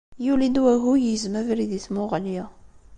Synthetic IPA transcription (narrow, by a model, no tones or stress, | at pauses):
julind̪wæɦujizmævɾiðiθmʊʁljæ